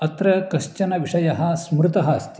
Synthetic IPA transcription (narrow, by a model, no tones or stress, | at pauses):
ɐt̪ɾɐkɐʃt͡ʃɐnɐʋiʂɐjɐɦɐ̆smɾut̪ɐɦɐɐst̪ʰi